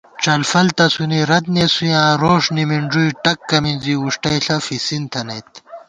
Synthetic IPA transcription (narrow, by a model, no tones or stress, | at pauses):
t͡ʃɐlfɐlt̪ɐsuniɾɐd̪̚nesujãːɾoːʂnimiɳɖ͡ʐujʈɐkːɐminziuʂʈɐjɬɐfisint̪ʰɐnɐjt̪